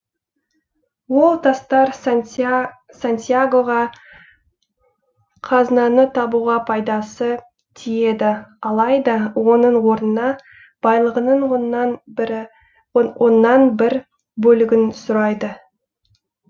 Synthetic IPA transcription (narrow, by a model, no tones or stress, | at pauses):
wo̞lˠt̪ʰɑst̪ɑɾ | sant̪ʲijaɡo̞ʁɑ | qʰɑznɑnət̪ʰɑbuʁɑpʰɑjd̪ɑsə | t̪ʰije̞d̪ɪɑlˠɑjd̪ɑwo̞nəɴwo̞ɾnənɑ | b̥ɑjlˠəʁənəɴ | wo̞nːɑnbɪɾ | bɵlɪɡʲɪnsʊɾɑjd̪ə